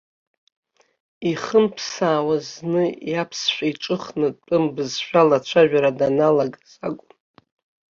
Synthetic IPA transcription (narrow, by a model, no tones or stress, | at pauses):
iχəmpʰsaːwaznɨjapʰsʃʷᶣaiʈ͡ʂʼɨχnɨtʼpʼɨmbɨzʃᶣalat͡ʃʷʰaʒᶣaɾadanalaɡazaɡʷʼʊm